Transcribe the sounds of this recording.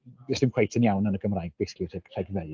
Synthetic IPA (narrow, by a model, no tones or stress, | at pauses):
ɪsd̥ɪmkʰw̥ejtʰənjawnənəɡəmrajɡ̚b̥ɪskjʊtʰɡ̥rɛɡvɛl